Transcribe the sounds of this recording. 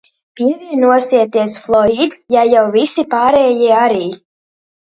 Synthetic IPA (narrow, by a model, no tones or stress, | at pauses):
piɛviɛnuɔsiɛt̪iɛsflˠɔid̪jajawvisipaːɾɛːjiɛaɾiː